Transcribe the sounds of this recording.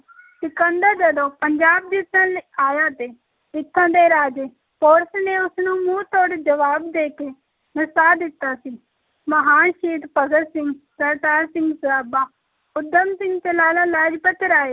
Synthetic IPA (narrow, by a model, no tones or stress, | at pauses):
t̪ɪkənd̪əd͡ʒəd̪oːpəɲd͡ʒaːb̚d̪iːt̪ːəlaːjaːt̪eː | ɪt̪ʰːãːd̪eːɾaːd͡ʒeː | poːɾsneʊsnũːmũːt̪oːɽd͡ʒəʋaːbd̪eːkeː | nəsaːd̪ɪt̪ːaːsiː | məɦaːnʃiːʈpəɡəɾsɪ̃ŋɡsəɾd̪aːɾsɪ̃ŋɡsaːbaː | ʊd̪əmsɪ̃ŋɡt̪eːlaːlaːlaːd͡ʒpət̪ɾaːeː